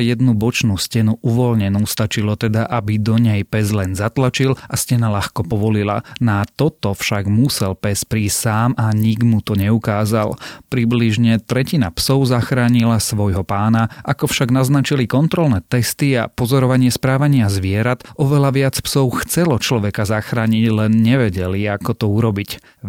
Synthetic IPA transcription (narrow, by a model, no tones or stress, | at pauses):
jɛd̪nubɔt͡ʃnuscɛnuʔuʋɔlɲɛnust̪at͡ʃilɔt̪ɛd̪aʔabid̪ɔɲɛjpɛzlɛnzat̪lat͡ʃilascɛnalaxkɔpɔʋɔlila̰nat̪ɔt̪ɔfʃaɡmusɛlpɛspɾiːsʲsaːmaɲiɡmut̪ɔɲɛukaːza̰lpɾibliʒɲɛt̪ɾɛcinapsɔʊzaxɾaːɲilasʋɔjɦɔpaːnaʔakɔfʃaɡnaznat͡ʃilikɔnt̪ɾɔlnɛt̪ɛst̪ia̰pɔzɔɾɔʋaɲɪɛspɾaːʋaɲɪazʋɪɛɾat̪ʔɔʋɛlaʋɪat͡spsɔʊxt͡sɛlɔt͡ʃlɔʋɛkazaxɾaːɲiɟlɛnɲɛʋɛɟɛliakɔt̪ɔuɾɔbic